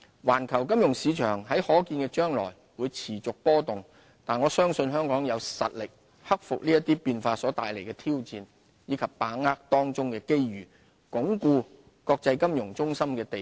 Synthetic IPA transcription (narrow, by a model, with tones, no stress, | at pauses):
waː˨˩nkʰɐ˨˩wkɐ˥mjʊ˨˩ŋsiː˨˧t͡ʃʰœ̰ː˨˩ŋɦɐ˨˥jhɔː˨˥kiː˧nkɛ˧t͡ʃœː˥ŋlɔ̰ː˨˩j | wuː˨˧jt͡sʰiː˨˩t͡sʊ˨k̚pɔː˥t̪ʊ˨˩ŋ | t̪aː˨nŋɔː˨˧sœː˥ŋsɵ˧nɦœː˥ŋkɔː˨˥ŋjɐ˨˧wsɐ̰˨t̚lɪ˨k̚ | hɐ˥k̚fʊ̰˨k̚liː˥jɐ˥t̪iː˥piː˧nfaː˧sɔː˨˥t̪aː˨jle˨˩jkɛ˧t̪ʰiː˥wt͡siː˧n | jiː˨˧˥kʰɐ˨p̚ːaː˨˥ŋːaː˥k̚t̪ɔː˥ŋt͡sʊ˥ŋkɛː˧ke˥jɥyː˨˩ | kʊ˨˥ŋkuː˧ | kɔː˧k̚t͡sɐ˧jkɐ˥mjʊ˨˩ŋt͡sʊ˥ŋsɐ˥mkɛː˧t̪e˨